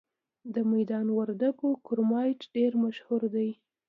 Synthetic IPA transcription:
d̪əmajd̪ɑnwaɾd̪aɡokʊɾmɑjʈɖeɾmaʃhuɾd̪aj

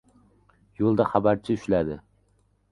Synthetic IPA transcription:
jolˠd̪aχabæɾt͡ʃʰɪʊʃlæd̪ɪ

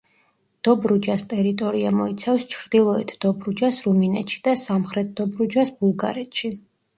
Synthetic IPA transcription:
d̪̥ɔbɾud͡ʒast̪ʼɛɾit̪ʼɔɾiamɔit̪sʰafst͡ʃʰɾd̪ilˠɔɛt̪ʰd̪̥ɔbɾud͡ʒasɾuminɛt̪ʃi̥d̪̥asamχɾɛt̪̚ʰd̪̥ɔbɾud͡ʒasb̥ulˠɡa̰ɾɛt̪ʃi

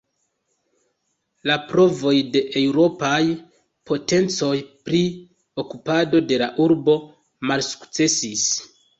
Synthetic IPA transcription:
lapɾo̞vo̞jde̞ʔewɾo̞paj | po̞te̞nt͡so̞jpɾi | o̞kupado̞de̞laʔuɾbo̞ | malsu̥kt͡se̞sis

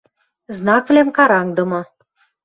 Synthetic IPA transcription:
znɑkvlæmkɑɾɑŋd̪ɤ̆mɤ̆

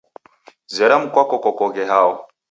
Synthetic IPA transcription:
zɛɾam̩kwakɔkɔkɔɣɛɦaɔ

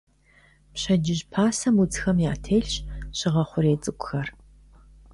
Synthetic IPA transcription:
pɕɐd͡ʒɪʑpʰaːsɐmut͡sxɐmjaːtʰeːɬɕɕɪʁɐχʷʊɾeːt͡sʼɨkʷʼʊxɐr

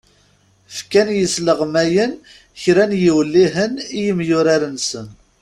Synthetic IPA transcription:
fkænjəsləʁmæjən | çɾænjiwəlːiɦənijəmjʊɾaɾənsən

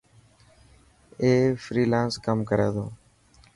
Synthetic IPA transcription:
eːfɾiːlaːnskəmkəɾḛːd̪oː

